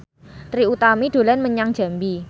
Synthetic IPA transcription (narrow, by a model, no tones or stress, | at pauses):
t̪ɾiut̪amiɖ̥o̤lanməɲaŋ̥ʒ̥a̤mbi